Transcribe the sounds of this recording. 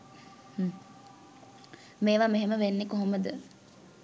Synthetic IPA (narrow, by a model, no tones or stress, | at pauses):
meːʋameɦeməʋenːekoɦoməd̪ə